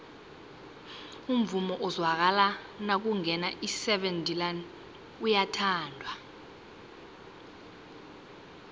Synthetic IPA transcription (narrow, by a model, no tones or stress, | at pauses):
um̩vumɔʔɔzwak̬ala | nak̬uŋɛnaʔisɛɓɛndʱʼilan | ujatʰaːndʱwa